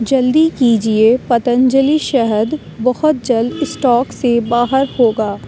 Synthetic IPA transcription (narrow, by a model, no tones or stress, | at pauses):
d͡ʒɐld̪ikiːd͡ʒiepɐt̪ə̃nd͡ʒəliʃɛɦəd̪ | bɐhʊt̪̚d͡ʒɐld̪ɪsʈɔːksebaːɦəɾhoːɡaː